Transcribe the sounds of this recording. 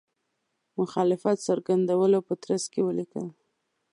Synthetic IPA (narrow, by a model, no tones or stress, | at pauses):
mʊxɑlɪfat̪saɾɡand̪awəlopət̪ɾaskewəlikə̰l